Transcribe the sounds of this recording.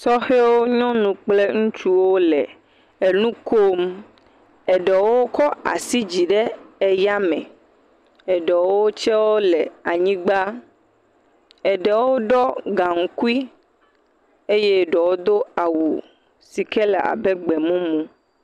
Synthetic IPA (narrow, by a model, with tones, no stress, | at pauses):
sɔ˦xe˦wo˦ɲɔ̃˦nũ˨k͡ple˦ŋũ˦t͡ʃu˦wo˦lɛ˨ | e˨nũ˦ko˦m | ɛ˨ɖɛ˨wo˦o˦kɔ˦a̰˨si˦d͡ʑi˨ɖɛ˦ɛ˨ja˦mɛ̰̃˨ | ɛ˨ɖe˨wo˦wo˦t͡ʃɛ˦wo˦lɛ˨a˨ɲĩ˦ɡ͡ba˦ | ɛ˨ɖɛ˨wo˦ɖɔ˦ɡa˨ŋ̩˦ku˦i˦ | e˦je˦ɖɔ˨wo˦d̪o˦a˨wṵ˨ | si˨kɛ˦lɛ̰˨a̰˨bɛ˦ɡ͡bɛ˨mũ˦mũ˦